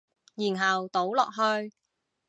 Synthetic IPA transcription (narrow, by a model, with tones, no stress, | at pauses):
jiː˨˩nɦɐ˨˩wt̪o˨˥wlɔː˨k̚ɦɵ˧ɥ